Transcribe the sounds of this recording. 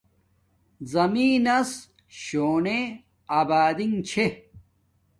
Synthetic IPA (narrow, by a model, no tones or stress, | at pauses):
zɐmiːnɐs | ɕoːɳe | aːbaːd̪iŋt͡ɕʰe